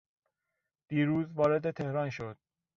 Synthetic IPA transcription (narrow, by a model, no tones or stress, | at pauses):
d̪̥iːɾuːzvɒːɾe̞d̪et̪ʰe̞hɾɒːnʃod̪̥̚